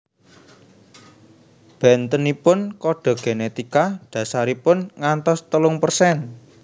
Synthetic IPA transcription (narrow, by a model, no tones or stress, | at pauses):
b̥ɛnt̪ənipʊnkɔɖ̥ɔ̤ɡ̥enet̪ikaɖ̥ä̤saɾipʊnŋant̪ɔst̪əlʊŋpərsɛn